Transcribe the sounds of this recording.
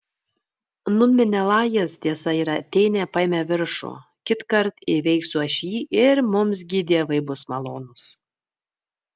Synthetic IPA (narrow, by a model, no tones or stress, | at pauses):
nʊnʲmʲɪnʲɛlˠɑːjɛst̪ʲiɛsɐiːɾɐt̪ʲɛɪnʲɛːpɐɪmʲɛʋʲɪɾʃʊ̰ | kʲɪt̪kɐɾt̪ɪʋʲɛɪksʲuɐʃʲiːʔɪɾmʊms̬ɡʲɪd̪ʲiɛʋɐɪbʊsmɐlˠoːnʊs